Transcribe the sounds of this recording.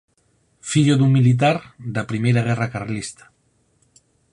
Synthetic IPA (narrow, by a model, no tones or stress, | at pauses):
fiʎoðuŋmilit̪̬aɾd̪apɾimejɾaɣ̞ɛrakarlist̪ḁ